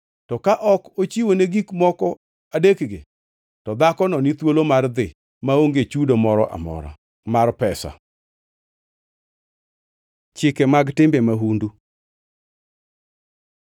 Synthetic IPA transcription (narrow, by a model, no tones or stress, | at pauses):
tɔkaʔɔkot͡ʃiwoneɡikmɔkɔ | adekɡḛ | tɔd̪akɔnɔnit̪wolomard̪ɪ | maoŋɡet͡ʃudomɔɾɔʔa̰mɔ̰ɾa̰ | marpɛsa̰ | t͡ʃɪkɛmaɡtɪmbɛmaɦundu